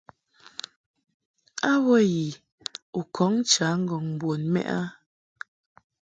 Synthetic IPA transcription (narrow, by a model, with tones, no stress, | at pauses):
a˦wɔ˦ji˨ | u˨kʰɔ˨˦ŋ˦t͡ʃa˨˦ŋ̩˦ɡɔ˨ŋm˨bwo˨nmɛ̰˦ʔa̰˦